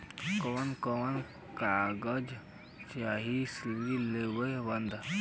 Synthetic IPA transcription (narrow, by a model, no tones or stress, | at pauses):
koːnkɔn | kaɡəd͡ʒ | t͡ʃaɦisiilebəbənd̪